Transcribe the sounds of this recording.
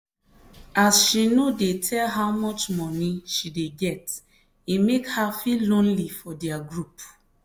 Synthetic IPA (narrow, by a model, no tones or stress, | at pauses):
asʃinodetʰɛlɦawmɔt͡ʃmɔnĩʃideɡɛt | imekhafilõnlifɔdɛaɡɹup